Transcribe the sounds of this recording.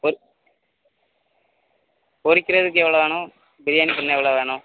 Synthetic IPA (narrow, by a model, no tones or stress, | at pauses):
o | oɾikʲːirɐðɨkːɨeʋiɭɐðaːɳoː | biɾijaːnipːɐnːeeʋiɭɐʋeːɳoː